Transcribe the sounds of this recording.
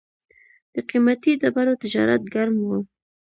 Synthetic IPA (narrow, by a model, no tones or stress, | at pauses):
d̪̥əqimat̪id̪abaɾot̪ɪd͡ʒɑ̰ɾat̪̚ɡaɾmwə